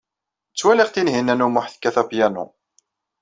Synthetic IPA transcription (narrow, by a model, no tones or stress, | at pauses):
t͡sːwæliʁt̪inɦinːænumʊħθkːæθæpjænṵ